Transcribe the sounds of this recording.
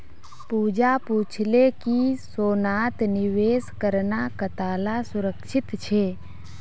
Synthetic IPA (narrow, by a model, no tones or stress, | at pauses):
puːd͡ʒapuːt͡ʃʰlekisoːnaːt̪nɪʋeːskəɾnakət̪aːlasʊɾəkʃɪt̪t͡ʃʰeː